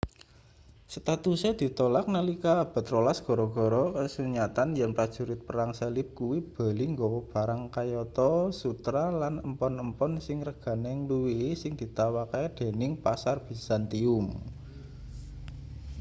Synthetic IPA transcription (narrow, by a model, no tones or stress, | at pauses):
sət̪at̪usɛd̪̥i̤t̪ɔlak̚nəlikab̥a̤t̪rolasɡ̥ɔ̤ɾɔɡ̥ɔ̤ɾɔkəsuɲat̪anjɛnpɾad̥ʒ̥ṳɾɪt̪̚pəɾaŋsalɪp̚kuwib̥a̤liŋɡɔwɔb̥a̤ɾaŋkajɔt̪ɔsut̪ɾalanəmpɔnəmpɔnsɪŋrəɡ̥a̤nɛŋluwisɪŋd̪̥i̤t̪awakad̪̥e̤nɪŋpasarb̥i̤sant̪iʊm